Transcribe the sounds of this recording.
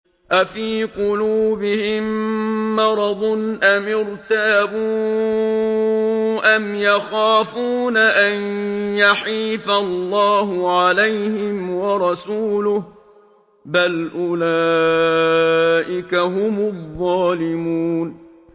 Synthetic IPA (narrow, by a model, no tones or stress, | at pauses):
ʔafiːqʊluːbɪhɪmː | ɑɾˤɑd̪ˤnʔamɪɾt̪abuː | ʔamjaxaːfuːnaʔanjaħiːfalːɑːɦʊʕalajhɪmwɑɾˤɑsuːlʊh | balʔʊlaː | ʔɪkaɦʊmʊðˤːɑːlɪmuːn